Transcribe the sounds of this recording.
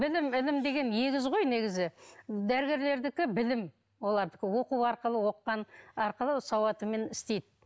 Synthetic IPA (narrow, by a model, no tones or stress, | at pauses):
bɪlɪmɪlɪmd̪e̞ɡʲe̞nje̞ɡʲɪzʁo̞jne̞ɡʲɪzɪd̪æɾɡʲe̞ɾle̞ɾd̪ɪkʲɪbɪlɪm | wo̞lˠɑɾd̪əkʲɪwo̞quwɑɾqəlˠəwo̞qːɑnɑɾqəlˠəsɑwɑt̪əme̞nɪst̪e̞jd̪ɪ